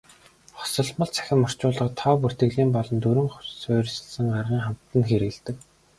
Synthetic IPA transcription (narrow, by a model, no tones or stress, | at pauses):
χɔ̥sɞ̆ɮmə̆ɮt͡sʰæ̥xʲɪ̆mɔr̥t͡ɕʊːɮə̆qt̪ʰɔːpur̥t̪ɘ̆ɣɮiːmpɔɮɞ̆nt̪uɾɵ̆ŋχʊsʊːr̆ʲsɘ̆ɮsɘ̆ŋɢarʁiːŋχam̥t̪ə̆nxeɾɘ̆ɮt̪ɘ̆k